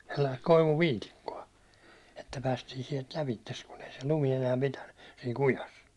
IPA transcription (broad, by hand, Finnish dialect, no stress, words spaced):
selːɑist koiʋuʋiːtikːoɑ etːæ pæːstiːn sielt læʋitːes kun ei se lumi enæː pitænːy siːn̞ kujɑs